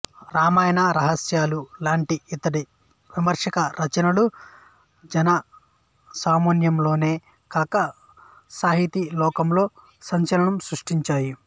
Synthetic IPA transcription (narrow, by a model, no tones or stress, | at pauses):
ɾaːmaːjɐnɐɾɐɦɐsjaːlulaːɳʈiit̪ɐɽi | ʋimɐɾʂɐkɐɾʔɐt͡ʃɐnɐlu | d͡ʒɐnɐ | saːmonjɐmlo̞ːne̞ː | kaːkɐ | saːɦit̪ilɔːkɐmlo̞ː | sɐɲt͡ʃɐlɐɳɐmsɾuʂʈiɲt͡ʃaːji